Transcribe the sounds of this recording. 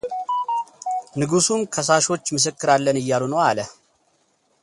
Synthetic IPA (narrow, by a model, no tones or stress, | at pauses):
nɨɡusumkʰəs̬aʃo̞t͡ʃːmɨs̬ɨkːɨɾalːənɨjːalunəwalə